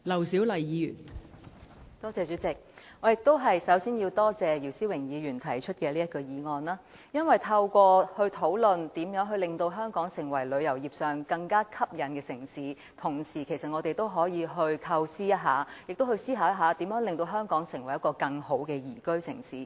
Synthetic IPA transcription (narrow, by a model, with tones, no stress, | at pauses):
lɐ˨˩wsiː˨˥wlɐ˨˩jjiː˨˧jyː˨˩n | t̪ɔː˥t͡sɛː˧t͡ʃyː˨˥t͡sɪ˨k̚ | ŋɔː˨˧jɪ˨k̚t̪o˥wɦɐ˨jsɐ˨˥wsiː˥nji˧wt̪ɔː˥t͡sɛː˨˧ji˨˩wsiː˥wɪ˨˩ŋjiː˨˧ɥyː˨˩nt̪ʰɐ˨˩jt͡ʃʰɵ˥t̚kɛː˧liː˥jɐ˥t̚kɔ˧jiː˨˧ŋɔː˧nlaː˥ | jɐ˥nwɐ˨jt̪ʰɐ˧wkʷɔː˧hɵ˧ɥt̪ʰo˨˥wlɵ˨nt̪iː˨˥mjœː˨˥ŋɦɵ˧lɪ˨ŋt̪o˧wɦœː˥ŋkɔː˨˥ŋsɪ˨˩ŋwɐ˨˩jlɵ˨˧ɥjɐ˨˩wjiː˨˩p̚sœː˨ŋkɐ˧ŋkaː˥kʰɐ˥p̚jɐ˨˧nkɛː˧sɪ˨˩ŋsiː˨˥ | t̪ʰʊ˨˩ŋsiː˨˩kʰe˨˩sɐ˨t̚ŋɔː˨˧t̪e˨jt̪o˥wɦɔː˨˥jiː˧ɦɵ˧ɥk̪ʰɐ˧wsiː˥jɐ˥t̚ɦaː˨˥jɪ˨k̚t̪o˥whɵ˧ɥsiː˥ɦaː˨˧˥jɐ˥ɦaː˨˧t̪i˨˥mjœː˨˥ŋlɪ˨ŋt̪o˧wɦœː˥ŋkɔː˨˥ŋsɪ˨˩ŋwɐ˨˩jɐ˥tkɔː˧kɐ˧ŋho˨˥wkɛː˧jiː˨˩kɵ˥ɥsɪ̰˨˩ŋsiː˨˥